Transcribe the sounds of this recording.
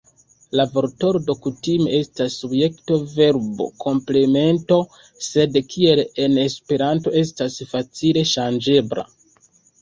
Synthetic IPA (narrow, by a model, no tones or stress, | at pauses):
lavo̞ɾto̞ɾodo̞kutime̞e̞stasːubje̞kto̞ve̞ɾbo̞̰kʰo̞mple̞me̞nto̞ | se̞dkʰie̞le̞ne̞spe̞ɾanto̞e̞stasfat͡sile̞ʃand͡ʒe̞bla̰